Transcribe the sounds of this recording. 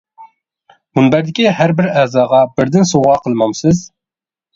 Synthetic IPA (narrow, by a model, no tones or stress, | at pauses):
munbæɾd̪ɪkʲihæɾbɪɾæzɑːʁɑbɪɾd̪ɪnsoʁɑːqʰəlˠmɑmsɨz